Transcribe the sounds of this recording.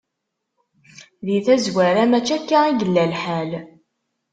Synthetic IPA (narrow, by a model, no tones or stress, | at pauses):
ðiθæzwæɾæmæt͡ʃːækːaiɡəlːælħæl